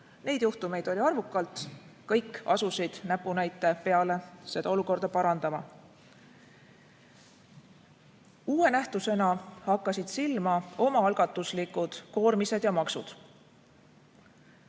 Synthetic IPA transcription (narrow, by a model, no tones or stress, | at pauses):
ne̞jd̪̥juht̪ume̞jd̪̥o̞lʲiɑrvukːˑɑlt̪kɤjkːɑ̰susid̪̥næpːˑunæjt̪ːˑe̞pe̞ɑle̞se̞d̪ɑo̞luko̞rd̪̥ɑpɑɾɑnd̪̥ɑmɑ | uːe̞næht̪use̞nɑhɑkːɑsid̪̥silmɑo̞mɑɑlɡ̥ɑt̪ːˑuslikˑud̪̥ko̞ːrmise̞d̪̥jɑmɑksud̪̥